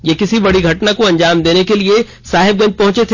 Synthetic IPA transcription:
jekɪsibɐɽiɡʱɐʈnakoɐ̃ɲd͡ʒaːmd̪eːnekelie | saːɦɪb̚ɡɐ̃nd͡ʒ̪̚pɐɦʊ̃t͡ʃet̪ʰ

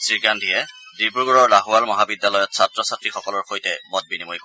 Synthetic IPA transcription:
siɹɡandʱijɛdip̬uɹɡuɹɔɹlaɦuwalmɔɦabidjalɔjɔtsatɹɔsatɹixɔkɔlɔɹxojtɛmɔt̚binimojk

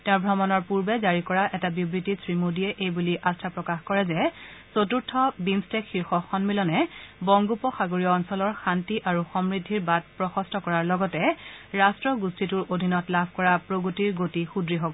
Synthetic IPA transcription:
tɛ̃ʊ̃ɹbʱɔmɔnɔɹpuɹbɛzaɹikɔɹaʔɛtabibɹitisɹimudiɛʔejbuliʔastʰapɹɔkaxkɔɹɛzɛsotuɹtʰːɔbinstɛkxiɹxɔxɔnmilɔnɛbɔŋɡupɔxaɡoɹijɔːnsɔlɔɹxantiʔaɹuxɔmɹidʱːiɹbad̚pɹɔxɔstɔkɔɹaɹlɔɡɔtɛɹastɹɔɡustʰituɹʔodʱinɔtlabʱkɔɹapɹoɡotiɹɡotixudɹiɦɔɡɔ

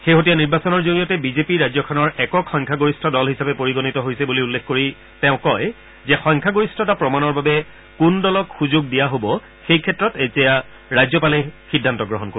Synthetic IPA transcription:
xeɦotijaniɹbasɔnɔɹzoɡijɔtɛbizepiɹajzɔkʰɔnɔɹɛkɔkxɔjŋkʰaɡoɹistʰɔdɔlɦisapɛpoɹiɡonitɔɦojsɛbuliulːekʰkoɹi | tɛʊ̃kɔj | zɛxɔjŋkʰaɡoɹistʰɔtapɹɔmanɔɹbabɛ | kundɔlɔkxuzʊɡ̚dijaɦobɔ | xejkʰɛtːɹɔtetija | ɹajzɔpalɛxidʱːantɔɡɹɔɦɔnko

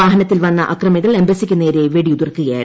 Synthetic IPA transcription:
ʋaːɦɐnɐt̪ːilʋɐnːɐʔɐkrɐmiɣɐɭembɐsikʲːunːeːɾeʋeɽiud̪ɐrkːɨɣɐjaːɾ

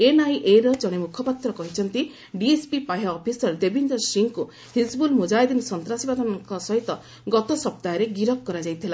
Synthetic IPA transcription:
enajʔeɾɔd͡ʒɔɽ̃imukʰɔpat̪ɾɔkɔɦit͡ʃʰɔnt̪i | ɖiespipajaːpʰisɔɾd̪ebind̪ɔsiŋku | hisbulmud͡ʒajd̪insɔnt̪ɾasibad̪ʱɔnɔŋkɔsɔɦit̪ɔ | ɡɔt̪ɔsɔp̚t̪ajɔɾeɡiɾɔk̚kːɔɾad͡ʒajt̪ʰila

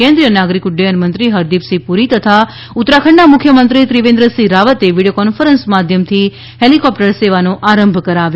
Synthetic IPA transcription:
kẽnd̪ɾijənaɡɾikʊɖejənmənt̪ɾiɦəɾd̪ipsipuɾit̪ət̪ʰa | ʊt̪ɾakʰəɳnamʊkʰjəmənt̪ɾit̪ɾiʋẽnd̪ɾəsiɾaʋət̪eʋiɽijokɔnfəɾənsmad̪ʱjəmt̪ʰi | helikɔpʈəɾseʋanoʔaɾəmbʱkəɾaʋjo

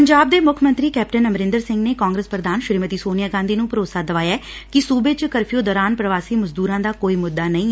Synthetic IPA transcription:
pəɲd͡ʒaːb̚d̪eːmʊkʰmə̃nt̪ɾiːkɛːp̚ʈənəmɾɪ̃nd̪əɾsɪ̃ŋɡneːkaːŋɡɾəspɾəd̪aːnʃɪɾiːmət̪iːsoːnɪjaːɡãːnd̪iːnũːpəɾoːsaːd̪əʋaːjaːkɪsuːbeːt͡ʃkəɾpʰijoːd̪ɔːɾaːnpɾəʋaːsiːməzd̪uːɾãːd̪aːkoːiːmʊd̪ːaːnəĩː

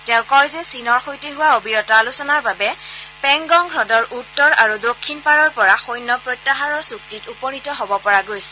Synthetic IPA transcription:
tɛʊ̃kɔjzɛsinɔɹxojteɦʊwaobiɹɔtaːlusɔnaɹbabɛpɛŋɡɔŋɡʱɹɔdɔɹʔutːɔɹaɹudokʰːinpaɹɔɹpɔɹaxojnːɔpɹotːaɦaɹɔɹsuk̚titupɔnitɔɦɔbɔpɔɹaɡojsɛ̥

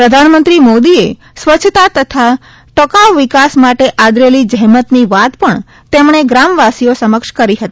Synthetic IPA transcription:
pɾəd̪ʱanmənt̪ɾimod̪ie | sʋəːt͡ʃʰt̪at̪ət̪ʰa | ʈəkaʋʋɪkasmaʈeʔad̪ɾelid͡ʒəɦmət̪niʋat̪pəɳ | t̪emɳeɡɾamʋasijosəməkʃkəɾiɦət̪ii

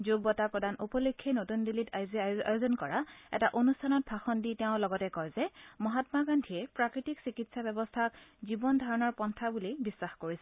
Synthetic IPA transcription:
zoɡ̚bɔtapɹɔdanupɔlokʰːenotundilitaza̰juzɔnkɔɹaɛ̰taʔonustʰanɔt̚bʱaxɔnditɛʊ̃lɔɡɔtɛkɔjzɛmɔɦatmaɡandʱiɛpɹakɹitiksikitsabɛbɔstʰak̚zibɔndʱaɹɔnɔɹpɔntʰabulibisːaxkoɹisɛ̥

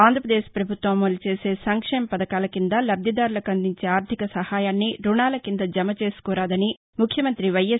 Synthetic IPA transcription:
aːnd̪ʱɾɐpɾɐd̪eːʃpɾɐbʱut̪ʋɐmːolit͡ʃe̞ːse̞ːsɐŋkʂɛːmɐpɐd̪ɐkaːlɐkind̪ɐlɐbd̪jɐd̪aːɾulɐkɐnd̪iɲt͡ʃeːaːɾt̪ʰikɐsɐhaːjaːnːiɾuɳaːlɐkind̪ɐd͡ʒɐmɐt͡ʃe̞ːsu̥kɔːɾaːd̪ɐni | mukʰjɐmɐnt̪ɾiʋɐje

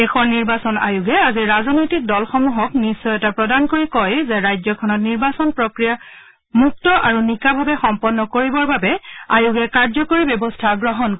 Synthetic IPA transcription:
ɛxɔniɹbasɔna̰juɡɛaziɹazɔnojtik̚dɔlxɔmuɦɔknisːɔjɛtapɹɔdankoɹikɔjzɛɹajzɔkʰɔnɔtniɹbasɔnpɹɔkɹija | muk̚tɔʔaɹunikabʱabɛxɔmpɔnːɔkoɹibɔɹbabɛajuɡɛkaɹzɔkoɹibjɔbɔstʰaɡɹɔɦɔnk

